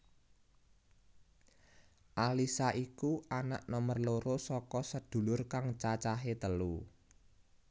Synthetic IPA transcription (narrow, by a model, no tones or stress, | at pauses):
ʔalisaʔikuana̰ʔnomərloɾosɔkɔsəd̪̥ṳlʊrkaŋt͡ʃat͡ʃaɦet̪əlu